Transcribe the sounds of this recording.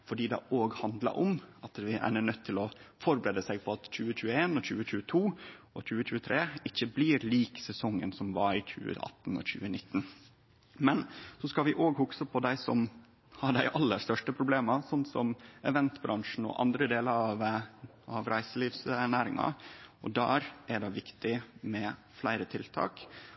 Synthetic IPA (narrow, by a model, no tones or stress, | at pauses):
fɔɖiːd̪ɛʔoːɡhɑnd̪lə̰ʔɔmʔɑt̪ʋɪʔæ̰nənœt̪ʰːɪlɔfɔɾbəɾeːd̪əsɛɡ̚pʰɔɑt̪c͡çʉːəc͡çʉːəeːnɔçʉːəçʉːət̪ʰuː | ɔc͡çʉːəçʉːət̪ʰɾeːɪçːəbliɾliːksɛsɔŋːənsɔmʋɑɾɪc͡çʉ̰ːə̰ʔɑ̰t̪ːn̩ɔ̰çʉ̰ːənɪt̪ːn | mɛnsɔskɑlʋɪʔoːɡhʊksəpʰɔd̪æɪsɔm | hɑɖæɪʔɑlːəʂt̪œʂʈəpʰɾʊbleːmɑsɔnt̪sɔmɛʋɛnt̪bɾʔɑŋʂɳn̩ɔ̰ʔɑ̰nd̪ɾəd̪eːləɾɑʋ | ɑʋɾæɪsəliːʋsæɳæːɾɪŋɑ̰ɔd̪æ̰ːɾʔæɖɛɪʋɪkt̪ɪmɛ | flæɪɾət̪ʰɪlt̪ʰɑ̰ːk